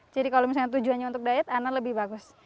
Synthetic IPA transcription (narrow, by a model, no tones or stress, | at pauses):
d͡ʒadikalomis̬alɲat̪̬ud͡ʒuanɲaunt̪ʊk̚daɪt̪analəbɪhbaɡʊs